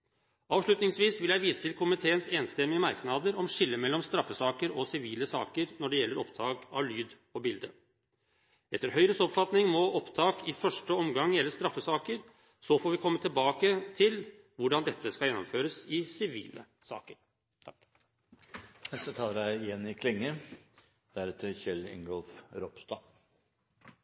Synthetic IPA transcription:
ɑːʋʂɭʉt̪nɪŋsʋiːsʋɪljæɪʋiːsə̥t̪ɪlkʰʊmɪt̪ʰeːənseːnst̪ɛmɪəmɑɾknɑd̪əɾɔmʂɪlːəmɛlːɔmst̪ɾɑfːəsɑːkəɾɔsɪʋiːləsɑ̰ːkəɾnɔɖɛjɛlːəɾɔpt̪ʰɑːkɑ̰ʋlyːd̪ | ɔbɪld̪ə̰ | ɛt̪ːəɾɦœʏɾəsɔpfɑt̪nɪŋmɔʔɔpt̪ʰɑːkʰɪfœʂʈəɔmɡɑŋjɛlːəʂt̪ɾɑfːəsɑːkəɾ | sɔfoːɾʋɪkʰɔmːət̪ɪlbɑːkət̪ʰɪl | ʋʊɖɑnd̪ɛt̪ːəskɑljɛnːɔmføːɾəsɪsɪʋḭːlə̰ | sɑ̰ːkəɾʰ | ɛsət̪ʰɑːləɾæɪjɛnːɪkʰlɪŋːə | d̪̥æɾɛt̪ʰəçɛlɛ̰ŋɡɔlfɾɔpst̪ɑ

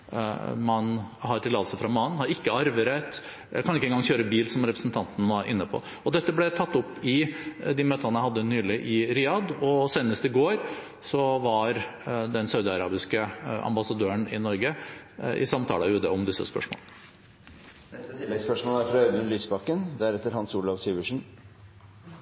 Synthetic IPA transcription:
mɑnɦɑɾʈ̪ɪlɑːd̪əsəfɾɑmɑːnhɑɾɪkːəɑɾʋəɾɛt̪ | kʰɑnɪkːɛŋɡɑŋçøːɾəbiːlsɔmɾɛpɾəsn̩t̪ʰɑnt̪n̩ʋɑɾʔɪnːəpʰɔ̰ | ɔd̪ɛt̪ːəblɛt̪ʰɑt̪ːɔpːɪd̪ɪmøːt̪ʰɑnəæhɑd̪ːənyːlɪʔɪɾɪɑd̪ɔseːnəst̪ɪɡoːɾ | sɔʋɑɾd̪ɛnsɑʉd̪ɪɑɾɑːbɪskəʔɑ̰mbɑsɑd̪øːəɳɪ̰nɔɾɡəʔɪ̰sɑmt̪ʰɑ̰ːlʉːd̪əɔmd̪ɪsːə̰spœ̰ʂmo̰ːlə | spœʂmoːlæɾfɾɑɑd̪ənlyːsbɑkːənd̪ɛæɾɛt̪ːəɾhɑnsuːlɑʋsyːʋəʂn̩

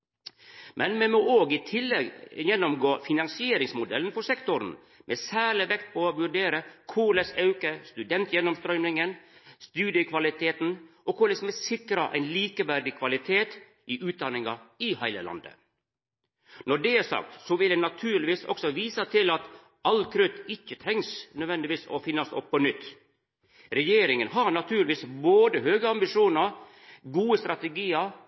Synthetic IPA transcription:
mʔɛnmɛmoːoːɡɪt̪ʰɪlːɛɡjɛnːʊmɡoːfɪnɑnsɪeːɾɪŋsmʊd̪ɛln̩fɔsɛkt̪ʊɾn̩ | mʔesæːɭɪʋɛkt̪̚pʰɔʋʉɖeːɾəkʰʊlɛsɑʉkəst̪ʉd̪ɛnt̪jɛnːɔmst̪ɾœʏmnɪŋənst̪ʉːd̪ɪəkʰʋɑlɪt̪ʰeːt̪n̩ʔɔkʰʊlɛsmɛsɪkɾɑʔæ̰ɪnliːkəʋæɖɪkʰʋɑlɪt̪ʰeːt̪ | ʔɪʔʉːt̪̚d̪ɑnɪŋɑɪhæɪlə̰lɑ̰nd̪ə̰ | nɔɖɛæsɑ̰k̚t̪sɔʋɪld̪ɛnɑt̪ʰʉːɾɭɪʋiːsɔ̰ksɔʋiːsɑt̪ʰɪlɑt̪ | ɑlkʰɾʉt̪ɪçːət̪ʰɾɛŋsnœd̪ʋɛnd̪ɪʋiːsɔ̰fɪnːɑsɔ̰pʰːɔnʏt̪ː | ɾɛjeːɾɪŋənɦɑɾnɑt̪ʰʉːɾlɪʋiːsboːd̪əɦøːɡəɑmbɪʂuːnɑɾ | ɡuːəst̪ɾɑt̪ɛɡiːəɾ

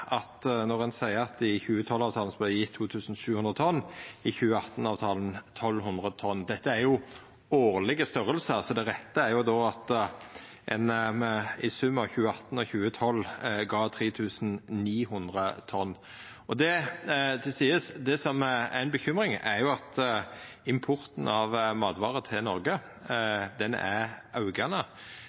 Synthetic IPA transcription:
ʔɑt̪nɔʁɛnsæɪəɾɑt̪ɪçʉːət̪ʰɔlːɑːʋt̪ʰɑːl̩sɔblæjɪt̪ʰːuːt̪ʰʉːsn̩ʃʉːhʉnʁət̪ʰɔnːɪçʉːəɑt̪ːn̩ɑːʋt̪ʰɑːlənt̪ʰɔlːɦʉnd̪ʁət̪ʰɔnːd̪ɛt̪ːəæɾjʊ | oːʁlɪɡəst̪œɾəlsəsɔd̪ɛʁɛt̪ːəæɾjʊd̪oːɑt̪ | ʔɛnmɛɪsʉmːəɑʋçʉːəɑt̪n̩ɔçʉːət̪ʰɔlːɡɑːt̪ʰʁiːt̪ʰʉːsn̩niːɦʉnd̪ʁət̪ʰɔnː | ɔd̪ɛd̪ɛsiːəsd̪ɛsɔmæ̰ɪnbəçʏmɾɪŋæɾjʊɑt̪ | ɪmpʰʊʁt̪n̩ɑʋmɑːd̪ʋɑːʁət̪ʰɪlnɔɾɡə | d̪ɛnæ̰ʁɑʉɡɑnə

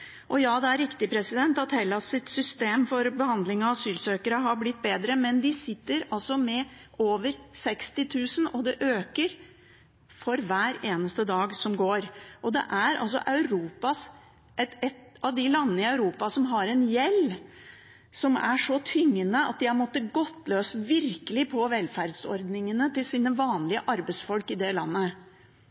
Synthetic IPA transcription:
ʔɔjɑːd̪ɛæɾːɪkt̪ɪpʰɾɛsɪd̪ɛnt̪ɑt̪hɛlːɑsɪt̪sʏst̪eːmfɔɾbəhɑnd̪lɪŋɑɑsyːlsøːkəɾəɦɑɾblɪt̪̚ːbeːd̪ɾəmɛnd̪ɪsɪt̪ːəɾɑlsɔmɛʔoːʋəɾsɛkst̪ɪt̪ʰʉːsənɔd̪ɛʔøːkəɾ | fɔɾʋæːɾeːnəst̪əd̪ɑːɡsɔmɡoːɾʔɔd̪ɛ̰ʔæɾɑ̰ls̬ɔ̰ʔɑʉɾuːpɑs | ʔɛt̪ɛt̪ | ɑʋd̪ɪlɑnːnəɪɑʉɾuːpɑsɔmɦɑɾɛnjɛlː | sɔmæʂɔt̪ʰʏŋːənəɑ̰t̪̚d̪ɪæmɔt̪ːəɡɔt̪ːløːsʋɪɾkəlɪpʰɔʋɛlfæɾd̪sɔ̰ɾd̪nɪŋənət̪ɪlsiːnəʋɑːnlɪəʔɑɾbɛsfɔlkɪd̪ɛlɑnːə

